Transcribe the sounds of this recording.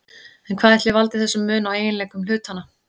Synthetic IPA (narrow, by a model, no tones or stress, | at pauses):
ɛnkʰvaːðɛht̪lɪvalt̪ɪ̥θɛsːʏmːʏːnaweːjɪnleːjkʏml̥ʏːt̪hanːa